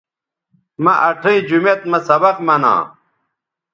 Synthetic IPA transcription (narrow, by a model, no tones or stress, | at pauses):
mɐʔɐʈʰiid͡ʑumet̪mɐsɐbɐqmɐnã̰ː